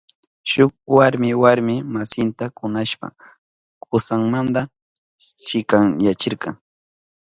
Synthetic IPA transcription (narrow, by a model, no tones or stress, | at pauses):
ʃʊkwaɾmɪwaɾmɪmasɪnt̪akʊnaʃpa̰ | kʊsaŋmand̪a | t͡ʃɪkaŋjat͡ʃɪɾkɑŋ